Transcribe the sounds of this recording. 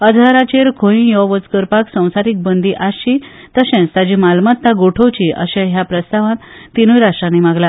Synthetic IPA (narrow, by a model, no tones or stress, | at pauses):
əd̪ʱaɾat͡ɕeɾkʰoĩjɔʋət͡skəɾpaksə̃w̃saɾiːk̚bənd̪iʔaɕi | t̪əɕɛ̃t͡st̪ad͡ʑimalmat̪ːaɡoʈʰəwt͡ɕiʔə̰ɕãɦjapɾəst̪aʋãt̪ːinujɾaʂʈɾanːimaɡla